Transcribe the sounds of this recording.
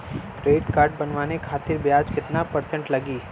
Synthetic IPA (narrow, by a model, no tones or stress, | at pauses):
ʈɾeːɖkaːɾɖ̚bɐnʋaːnekʰaːt̪ɪɾbjaːd͡ʒkɪt̪napɐɾsə̃ɳʈlɐɡiː